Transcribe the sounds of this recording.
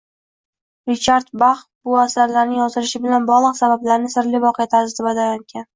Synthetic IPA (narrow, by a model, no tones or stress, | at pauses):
ɾɪt͡ʃʰaɾt̪baχ | bʊasaɾlaɾnɪŋjɒzɪlɪʃɪbɪlanbɒʁlˠɨqsabablaɾnɪsɪɾlɪvɒqʰɨjat̪ʰasɪzt̪ɪbad̪ajaŋkʲʰan